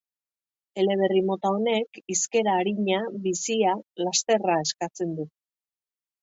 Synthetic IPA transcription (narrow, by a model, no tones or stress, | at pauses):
e̞le̞βe̞rimo̞t̪aone̞kiske̞ɾaːɾiɲaβisialast̪e̞rae̞skat͡se̞nd̪u